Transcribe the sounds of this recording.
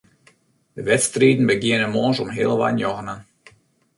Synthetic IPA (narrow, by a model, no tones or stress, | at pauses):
dəʋɛtstriːdən̩bəɡɪənəmoːnsɔmɦɪəlˠʋa̰njɔɣənən